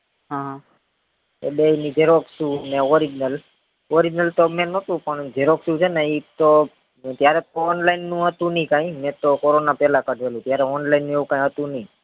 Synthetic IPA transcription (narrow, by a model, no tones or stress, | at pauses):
ɦã | ḛbeinid͡ʒeɾoksũneʋɔɾid͡ʒnəl | ʋɔɾid͡ʒnəlt̪omɛ̃nət̪ũpəɳd͡ʒeɾoksũt͡ʃʰenəit̪o | t̪jaɾɛt̪oɔnlainːũɦət̪ũnĩkãĩmɛ̃t̪okoɾonapɛlakəɖʱʋelũt̪jaɾɛɔnlainːũeʋũkãĩɦət̪ũnəĩ